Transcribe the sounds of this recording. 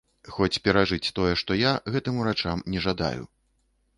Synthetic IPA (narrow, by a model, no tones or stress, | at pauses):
xɔt͡sʲpʲɛɾaʐɨt͡sʲt̪ɔjɛʂt̪ɔjaɣɛt̪ɨmuɾat͡ʂamnʲɛʐad̪a̰jṵ